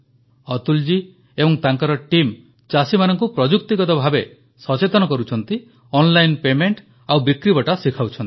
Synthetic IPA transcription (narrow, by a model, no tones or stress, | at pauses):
ɔt̪uld͡ʒi | ebɔŋt̪aŋkɔɾɔʈim | t͡ʃasimanɔŋk̬upɾɔd͡ʒukt̪iɡɔt̪ɔbʱabe | sɔt͡ʃet̪ɔnɔkɔɾut͡ʃʰɔnt̪i | ɔnlajnpemeɳʈ | awbikɾibɔʈasikʰawt͡ʃʰɔnt̪i̥